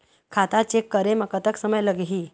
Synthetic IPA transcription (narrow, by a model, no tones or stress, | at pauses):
kʰat̪at͡ɕekːəɾeməkət̪əksəməjləɡɦiː